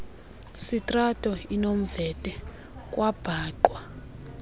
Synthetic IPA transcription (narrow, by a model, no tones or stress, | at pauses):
sitʼratʼɔinom̩vɛtʼɛ | kʼwab̥ʱaːǃwa